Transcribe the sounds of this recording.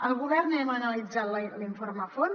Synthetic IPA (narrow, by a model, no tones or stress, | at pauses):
əlˠɣuβɛɾnɛmənəlid͡zat̪lliɱforməfon